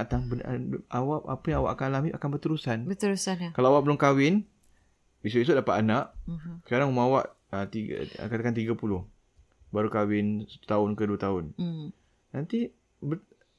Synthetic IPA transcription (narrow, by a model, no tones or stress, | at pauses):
t̪aŋbən̰ʔawaʔapajaŋawa̰ʔakanlamɪʔakanbərt̪əɾusanbət̪əɾusankalaawaʔbəlʊmkawɪn | bis̬ʊʔis̬uʊʔdapat̪ʔ̪anaʔsə̥kaɾaŋumawaʔ | ət̪ḭkad̪akant̪̬iɡapulʊh | baɾukawɪnsəu̥t̪aʊnkəduat̪aʊn | nant̪i | bə